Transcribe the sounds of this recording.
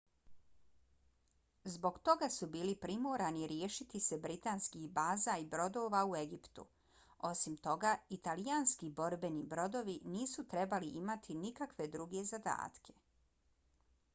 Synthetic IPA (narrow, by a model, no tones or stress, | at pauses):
zbo̞ɡt̪o̞ɡasubiːlipɾimoːɾaniɾje̞ːʃit̪ise̞bɾit̪aːnskihbaːzaibɾo̞d̪o̞ːʋaue̞ɡipt̪ṵ | o̞simt̪o̞ɡait̪alijaːnskibo̞ɾbe̞nibɾo̞d̪o̞ʋiniːsut̪ɾe̞baliʔimat̪ʰinikakʋe̞d̪ɾuɡe̞zad̪a̰ːt̪kʰe̞̥